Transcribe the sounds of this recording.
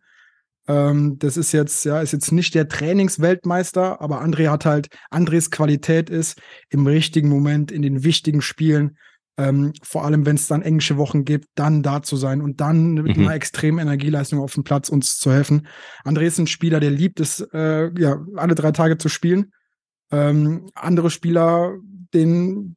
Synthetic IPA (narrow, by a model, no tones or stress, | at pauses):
ʔɛːmd̥asɪstjɛt͡stjaːɪstjɛt͡snɪçtd̥eːɐtʁ̥ɛːnɪŋsv̥ɛltmaɪstɐʔa̰ːbɐʔandʁeːhathaltʔandʁeːskv̥alitʰɛːtɪsʔɪmʁɪçtɪɡŋ̩momɛntɪndeːnvɪçtɪɡŋ̩ʃpiːlən | ʔɛːmfoːɐʔaləmvɛnsd̥anʔɛŋlɪʃəvɔχn̩ɡiːp̚t̚d̥andaːt͡suzaɪnʊnt̚d̥anmɪnɐɛkstʁ̥eːmənɛnɛɐɡiːlaɪstʊŋaʊfm̩pʰl̥at͡sʊnst͡suhɛlfn̩ʔandʁeːɪstn̩ʃpiːlɐdeːɐliːp̚tɛsɛːjaːʔalədʁaɪtʰaːɡət͡suʃpiːlən | ʔɛːmʔa̰ndəʁ̞əʃpiːlɐd̥eːən